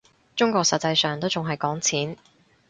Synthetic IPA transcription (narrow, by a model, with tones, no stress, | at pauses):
t͡ʃʊ˥ŋkʷɔː˧ksɐ˨t̚t͡sɐ˧jsœː˨˩ŋt̪o˥wt͡sʊ˨ŋɦɐ˨˩jkɔː˨˥ŋt͡sʰiː˨˥n